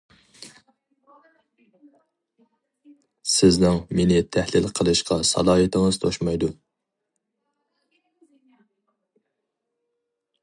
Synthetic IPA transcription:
sɪznɪŋmenɪt̪ʰæhlɪlqʰəlˠɨʃqʰɑsɑ̰lˠɑːɦɨt̪ʰɪŋɨzt̪ʰoʃmɑjd̪u

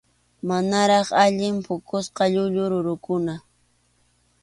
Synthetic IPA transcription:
manaɾɑχaʎɪmpʊkʊsqɑʎʊʎʊɾʊɾʊkʊna

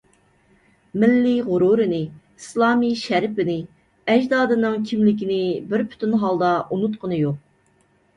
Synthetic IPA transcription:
mɪlːɪʁʊɾuɾɨnɪ | islˠɑːmiʃæɾpɪnɪ | ɛd͡ʒd̪ɑːd̪ɨnɨŋkʲʰimlɪkʲinɪbɪɾpʰy̥t̪ʰynɦɑlˠd̪ɑʔunut̪qənɨjoq̚

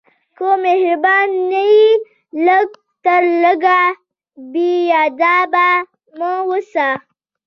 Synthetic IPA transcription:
komehɾbaːnːəi | ləɡ̚ | t̪əɾləɡa | biaːd̪aːba | məwosa

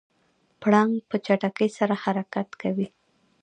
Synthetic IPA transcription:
pɽaŋɡpət͡ʃaʈakəjsaɾahaɾakat̪kawi

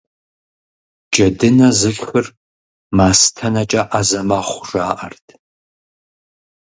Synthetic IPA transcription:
d͡ʒʼɐdɨnɐzɨɮxɨr | maːstʰɐnɐt͡ʃʼɐʔazɐmaːχʷʊʐaːʔɐrtʰ

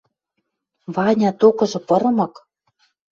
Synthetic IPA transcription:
vɑnʲɑt̪okɤ̆ʒɤ̆pɤ̆ɾɤ̆mɤ̆k

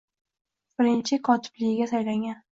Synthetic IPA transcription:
b̥ɪɾɪnt͡ʃʰɪkʰɒt̪ʰɪ̥b̥lɪɡʲɪɡʲasajlaŋɡʲan

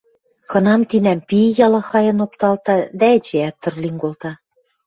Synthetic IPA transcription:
kɤ̆nɑmt̪inæmpijɑlɤ̆xɑjɤ̆nopt̪ɑlt̪ɑd̪æĕt͡ɕeæt̪ːɤ̆rliŋɡolt̪ɑ

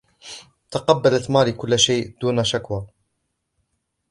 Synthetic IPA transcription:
t̪ɑqɑbːalat̪maːlikʊlːʃejːʔd̪uːnaʃakwaː

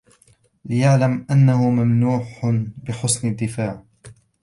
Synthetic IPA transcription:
lɪjaʕlamʔanːahʊmamnuːħbɪħʊsnad̪ːɪfaːʕ

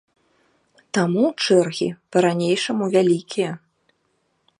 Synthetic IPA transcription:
t̪amut͡ʂɛrɣʲḭpɐɾanʲejʂɐmuvʲalʲikʲʰijɐ

